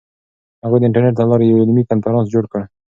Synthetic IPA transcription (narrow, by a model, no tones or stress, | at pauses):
haɣad̪əɪɳʈaɾneʈ̚d̪əlɑɾejawɪnmikanfaɾɑ̃nsd͡ʒoɽkəɽ